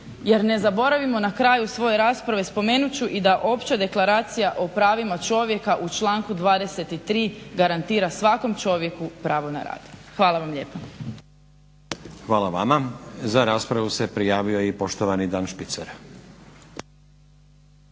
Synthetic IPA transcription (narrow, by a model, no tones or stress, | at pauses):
je̞ɾne̞zabo̞ɾaʋimo̞nakɾaːjusʋo̞je̞ɾaːspɾaʋe̞spo̞me̞ːnut͡ɕuʔid̪aʔo̞pt͡ɕad̪e̞klaɾaːt̪sijaʔo̞pɾaːʋimat͡ʃo̞ʋje̞kaʔut͡ʃlˠaːŋkud̪ʋaːd̪e̞se̞t̪it̪ɾiːɡaɾant̪iːɾasʋako̞mt͡ʃo̞ʋje̞kupɾaːʋo̞na̰ɾa̰ːd̪̥xʋaːlaʋamʎe̞ːpa | xʋaːlaʋamazaɾaːspɾaʋuse̞pɾijaːʋio̞jipo̞ʃt̪oʋanid̪aːnʃpit̪saɾ